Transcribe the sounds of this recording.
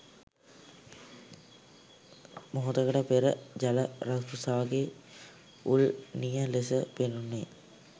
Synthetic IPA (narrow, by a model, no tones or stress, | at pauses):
moɦot̪əkəʈəpeɾəd͡ʒɐləɾasɾusaʋaɡe | ulnijəlesəpenunːe